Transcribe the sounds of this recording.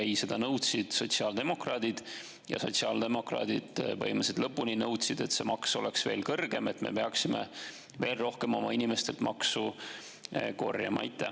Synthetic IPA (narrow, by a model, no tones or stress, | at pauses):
æjse̞d̪̥ɑnɤwt̪sid̪̥so̞t̪siɑːld̪̥e̞mo̞krɑːd̪̥id̪̥ | jɑ̰so̞̰t̪siɑːld̪̥e̞mo̞krɑ̰ːd̪̥id̪̥vɤ̰jmesed̪lɤpːuninɤwt̪sid̪̥e̞t̪se̞mɑkso̞leksve̞ːlkɤrɡ̥e̞me̞t̪ːme̞̰peɑksimḛ | ve̞ːlro̞hke̞mo̞mɑinime̞st̪e̞lt̪mɑksu | ko̞̰rjɑ̰mɑ̰it̪ːˑæ